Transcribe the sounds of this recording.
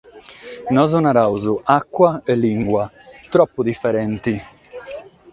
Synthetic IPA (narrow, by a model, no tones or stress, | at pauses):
nɔzunaɾawzuʔakːwaɛlːiŋɡwa | t̪ɾɔpːud̪ifːɛɾɛnt̪i